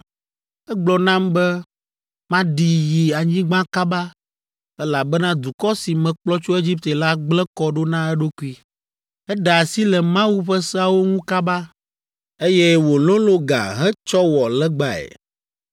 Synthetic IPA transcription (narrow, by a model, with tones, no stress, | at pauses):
ɛ˦ɡ͡blɔ˨nã˦mbɛ˦ | mã˦ɖi˨ji˨a˨ɲĩ˦ɡ͡bã˦ka˦ba˦ | ɛ˦la˨bɛ˦nã˦d̪u˨kɔ˦si˨mɛ̃˨k͡plɔ˦t͡ʃo˦e˦d͡ʑi˦p̚t̪e˨la˦ɡ͡blɛ̃˦kɔ˦ɖo˦nã˦ɛ˦ɖo˦ku˦i˦ | ɛ˦ɖa˨a˨si˦lɛ˨mã˦wu˦ɸɛ˦sɛ˦a˨wo˦ŋũ˦ka˦ba˦ | e˦jɛ˦wo˨lõ˦lo˦ɡa̰˨ɦɛ̃˦t͡ʃɔ˦wɔ˨lɛ˦ɡ͡ba˦ɛ̰˨